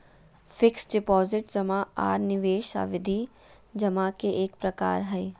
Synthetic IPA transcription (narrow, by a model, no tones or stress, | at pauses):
fɪksɖɪpɔːzɪʈd͡ʒɐmãa̰ːɾnɪʋeːʃa̰ːʋɪd̪ʱi | d͡ʒɐmãːkeʔeːkpɾɐka̰ːɾɦɛi